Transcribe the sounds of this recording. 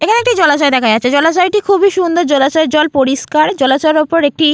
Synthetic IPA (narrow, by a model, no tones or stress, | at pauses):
ekʰaneekʈid͡ʑɔlat͡ɕaed̪ɛkʰajatt͡ɕːʰed͡ʑɔlat͡ɕajʈikʰubiʃund̪ʱoɾd͡ʑɔlat͡ɕaed͡ʑɔlpoɾiʃkaɾd͡ʑɔlat͡ɕaɾopoɾek̚ʈi